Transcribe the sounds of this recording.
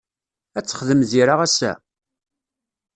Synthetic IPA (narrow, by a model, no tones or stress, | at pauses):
æt͡sːə̥χðəmðiɾaʁæsæ̰